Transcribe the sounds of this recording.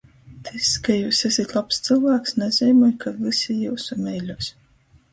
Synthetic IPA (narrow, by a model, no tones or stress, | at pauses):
t̪iskajuːsesʲit̪ʲlˠapst̪sɨlˠvæːksnɛzʲɛjmɔːjkʰavɨsʲijuːsumʲɛjlʲuːs